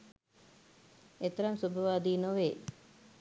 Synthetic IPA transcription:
et̪ɐɾɐmsubʱɐʋaːd̪iːnoʋeː

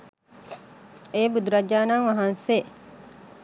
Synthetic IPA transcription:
eːbud̪uɾɐd͡ʒaːnaːŋʋaɦanse

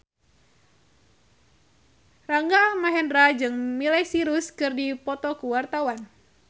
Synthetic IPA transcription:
raŋɡamaɦɛnrad͡ʒɨŋmilɛsiɾuskɨrdipɔt̪ɔkuwart̪awan

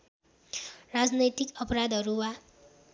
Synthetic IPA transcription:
rad͡znʌjt̪ikʌpʌɾad̪ʱɦʌɾuwa

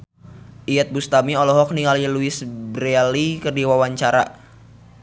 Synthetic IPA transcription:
ʔijɛt̪̚bust̪amiɔlɔɦɔk̚niŋaliəluɪsbɾɛlikərdiwawaɲt͡ʃaɾa̰

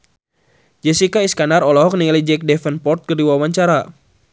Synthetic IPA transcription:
d͡ʒɛsikaiskanaɾɔlɔɦɔk̚nilid͡ʒɛk̚dɛfənpɔrt̪̚kərdiwawaɲt͡ʃaɾa

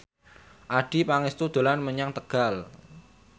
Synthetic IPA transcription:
ʔaɖ̥i̤paŋist̪ud̪̥o̤lanməɲaŋt̪əɡ̥al

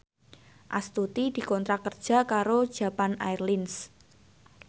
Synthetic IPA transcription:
ʔast̪ut̪id̪̥i̤kɔnt̪ɾakərd̥ʒ̥a̤kaɾod̥ʒ̥a̤pana̰jrlins

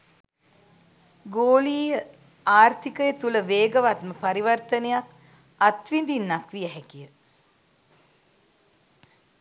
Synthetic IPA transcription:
ɡoːliːjə | aːrt̪ʰikəjət̪uləʋeːɡəʋat̪məpaɾiʋərt̪ənejak | at̪ʋind̪inːakʋiɛɦɛkijə

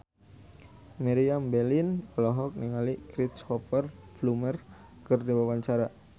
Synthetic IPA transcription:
miɾiambɛlinɔlɔɦɔk̚niŋalikɾitshɔfərflumər | kɨrdiwawaɲt͡ʃaɾa

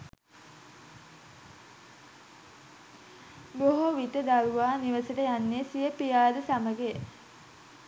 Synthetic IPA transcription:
boɦoʋit̪əd̪aluʋaːniʋəsəʈəjanːesijəpijaːd̪əsaməɡe

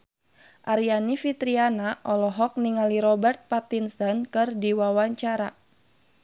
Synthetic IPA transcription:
ʔaɾianifit̪ɾianaʔɔlɔɦɔk̚niŋaliɾɔbɛrt̪̚pat̪insɔnkɨrdiwawaɲt͡ʃaɾa

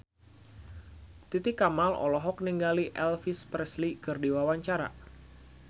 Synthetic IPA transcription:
t̪it̪ɪkamalɔ̰lɔɦɔk̚niŋɡaliʔɛlfispɾɛslikɨrdiwawaɲt͡ʃaɾa̰

